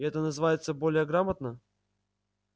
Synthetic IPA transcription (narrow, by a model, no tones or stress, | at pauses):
ɛt̪ənəzɨvajɪt̪səbo̞lʲɪjəɡɾamət̪nə